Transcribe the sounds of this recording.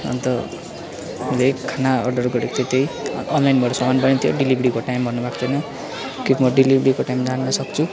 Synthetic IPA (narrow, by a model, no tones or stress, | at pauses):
ʌ̰nt̪ʌ | lekʰanaʌrɖʌrɡoɾekt̪et̪ejʌnlajnbʱʌɾsʌmanpʌnẽt̪ʰijoɖilibɾikoʈajmbʱʌnːubʱakt͡sʰʌnʌ | kibmʌɖilibʱɾikoʈajmd͡zanːʌsʌkt͡sʰu